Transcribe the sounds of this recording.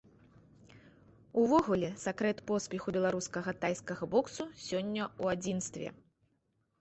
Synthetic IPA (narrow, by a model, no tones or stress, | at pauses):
uvɔɣulʲɛsakɾɛt̪pɔspʲɛxubʲɛlˠaɾuskɐɣɐt̪ajskɐɣɐbɔksusʲɔnʲːɐuad͡zʲinst̪vʲɛ̰